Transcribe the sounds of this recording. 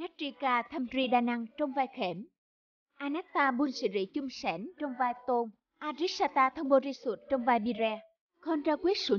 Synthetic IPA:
na˦˥t̚t͡ɕi˧kaː˧t̪ʰə˧mzi˧ɗaː˧na˧ŋt͡ɕɔ˧wŋ͡mvaː˧jxe˧˨˦m | ʔaː˧nɛ˦˥k̚t̪aː˧ɓu˧nsɨ̰˧˦zḭ˧˩˦t͡ɕʊ˧ŋ͡msɛ˧˦nt͡ɕɔ˧wŋ͡mvaː˧jt̪o˧n | ʔaː˧zi˦˥k̚saː˧t̪aː˧t̪ʰə˧wŋ͡mɓo˧˩zi˧su˨˩t̚t͡ɕɔ˧wŋ͡mvaː˧jɓi˧zɛː˧ | kʰɔ˧nzaː˧kwi˦˥ət̚su˧˦

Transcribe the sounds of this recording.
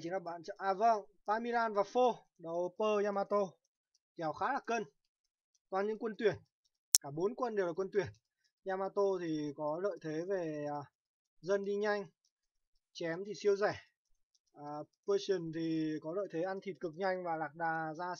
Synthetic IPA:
t͡ɕi˨˦ŋlaː˨˩ɓa̰ː˧˨nt͡ɕə˧˨ʔaː˧˩və˧˩ŋpaː˧mi˧laː˧nvaː˨˩fo˧ | ɗə˨˩wpəː˧ɲaː˧maː˧t̪o˧ | kɛ˨˦wxaː˨˦laː˨˩kəː˧n | t̪waː˧˩ɲɨ̰˧˥ŋkwə˧nt̪wi˧˩ən | kaː˧˩ɓo˨˦nkwə˧nɗe˨˩wlaː˨˩kwə˧nt̪wi˧˩ən | zaː˧maː˧t̪o˧t̪ʰi˨˩kɔ˨˦lə̰ː˧˨jt̪ʰe˨˦ve˨˩˨ | zə˧nɗi˧ɲa˧jŋ̟ | t͡ɕɛ˨˦mt̪ʰi˨˩si˧əwzɛ˧˩ | ʔːpəː˧si˨˩nt̪ʰi˨˩kɔ˨˦lə̰ː˧˨jt̪ʰe˨˦ʔa˧nt̪ʰi˨˩t̚kɨ˨˩k̚ɲa˧jŋ̟vaː˨˩laː˨˩k̚ɗaː˨˩zaː˧

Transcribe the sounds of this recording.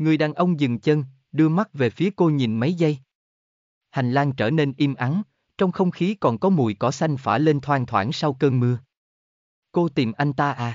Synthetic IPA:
ŋɨ˨˩əjɗaː˨˩nʔə˧wŋ͡mzɨ˨˩ŋt͡ɕə˧n | ɗɨ˧əma˦˥t̚ve˨˩fi˨˦əko˧ɲi˨˩nma˨˦jzə˧j | ha˨˩ŋ̟laː˧ŋt͡ɕəː˧˩ne˧nʔi˧mʔa˨˦n | t͡ɕɔ˧wŋ͡mxə˧wŋ͡mxi˨˦kɔ˨˩nkɔ˨˦mṵ˧˩˨jkɔ˨˦sa˧jŋ̟faː˧˩le˧nt̪ʰwaː˧ŋt̪ʰwaː˧˩nsa˧wkəː˧nmɨ˧ə | ko˧t̪i˨˩mʔa˧jŋ̟t̪aː˧ʔaː˧˩

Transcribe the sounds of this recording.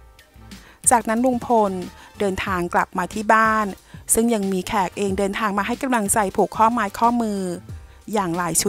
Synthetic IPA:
t͡ɕaː˨˩k̚na˦˥nwu˧ŋpʰo˧ndɤː˧nt̪ʰaː˧ŋkla˨˩p̚maː˧t̪ʰiː˥˩baː˥˩nsɯ˥˩ŋja˧ŋmiː˧kʰɛː˨˩k̚ʔeː˧ŋdɤː˧nt̪ʰaː˧ŋmaː˧ɦa˥˩jka˧mla˧ŋt͡ɕa˧jpʰuː˨˩kʰːɔː˥˩maː˧jkʰɔː˥˩mɯː˧ | jaː˨˩ŋlaː˩˦jt͡ɕʰu˦˥

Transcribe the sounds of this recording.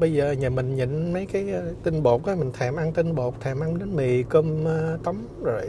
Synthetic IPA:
ɓə˧jzəː˨˩ɲəː˨˩mï˨˩ŋ̟ɲə̰˧˨nmə˨˦jkaː˨˦jːt̪i˧nɓo˨˩t̚ʔa˨˦mï˨˩ŋ̟t̪ʰɛː˨˩mʔa˧ŋt̪i˧nɓo˨˩k͡p̚t̪ʰɛː˨˩mʔa˧ŋɗe˨˦nmi˨˩kə˧məː˧t̪ə˨˦wm | zo˨˩j

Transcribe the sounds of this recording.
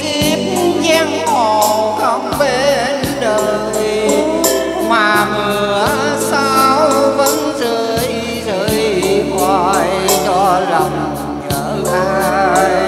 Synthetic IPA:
ki˧p̚zɛ˧ŋho˨˩kə˧˦ŋ͡mɓe˧˦ | n | ɗəː˨˩ | t̪i˧˩ | maː˨˩mɨ˨˩əəə | saː˧wvə˧˥nzəː˧˩j | zəː˨˩˨jjkwa˧˩jt͡ɕɔ˧lə˨˩wŋ͡m | ɲəː˨˦ʔaː˧j

